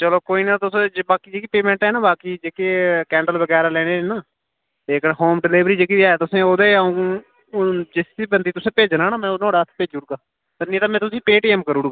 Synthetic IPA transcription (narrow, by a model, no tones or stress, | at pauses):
t͡ʃəloːkoːiːnaːt̪ʊsd͡ʒbaːkiːd͡ʒeːkiːpeːmɛ̃ːɳʈɛːnãːbaːkiːd͡ʒeːkeːkɛ̃ːɳɖəlbəɡɛːɾaːlɛːneːnaː | eːkɦoːmɖɪlɪːʋɾiːd͡ʒeːkiːd̪iaːet̪ʊsẽːoːd̪eːaũː | d͡ʒɪsd̪iːbənd̪iːt̪ʊsẽːpeːd͡ʒnãːnaːmɛ̃ːnɔ̃ːɽaːət̪ʰpeːd͡ʒuːɽuːɡaː | t̪əɾnĩt̪aːmɛ̃ːt̪̬ʊsĩːpeːʈiːɛːmkəɾuːɽuːɡaː